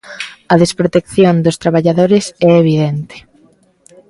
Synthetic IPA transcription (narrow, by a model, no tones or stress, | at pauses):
ɐðespɾot̪ekθjond̪ʊst̪ɾaβ̞aʎaðoɾesɛeβ̞iðent̪e̥